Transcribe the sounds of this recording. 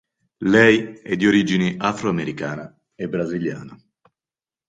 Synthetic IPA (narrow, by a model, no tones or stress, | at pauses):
lɛjɛd̪ːioɾid͡ʒiniʔafɾoameɾikaːna | ebɾazilja̰ːno